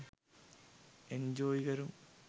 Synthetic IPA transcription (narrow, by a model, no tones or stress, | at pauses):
end͡ʑoːjiɣɐɾum